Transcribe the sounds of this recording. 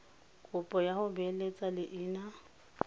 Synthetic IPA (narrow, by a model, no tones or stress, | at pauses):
kʼʊpʼɔjahʊbɛlet͡sʼalɪʔɪːna